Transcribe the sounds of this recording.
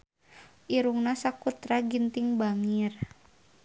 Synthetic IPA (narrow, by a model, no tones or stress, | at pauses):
ʔiɾuŋnasakut̪ɾaɡint̪ɪŋbaŋir